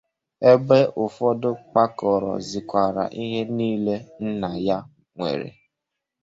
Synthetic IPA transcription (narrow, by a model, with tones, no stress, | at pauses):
e˦be˦ʔʊ˨fɔ˦dʊ˦k͡pa˦kɔ˨ɾɔ̰˨zi˨kʷa˨ɾa̰˨ʔi˦ɦe˦niː˦le˦n̩˦na˨ja˦ | ŋʷḛ˨ɾḛ˨